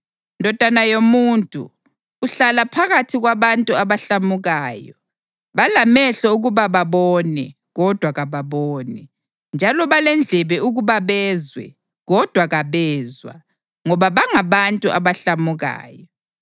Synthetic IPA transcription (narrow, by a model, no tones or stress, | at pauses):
ndʱɔd̥ʱanajomuːntʼṵː | ɬalapʰaɣatʰiɣwaβantʼuaβaɬamuɣaːjɔ | βalamɛɬɔuɣuβaβaβɔnɛ | ɣɔd̥ʱwaɣaβaβɔːnɛ | nd͡ʒʱalɔβalɛnd͡ɮʱɛβɛuɣuβaβɛzwɛ̰ | ɣɔd̥ʱwaɣaβɛːzwa̰ | ŋɔβaβaŋaβantʼuʔa̰βaɬamuɣa̰ːjɔ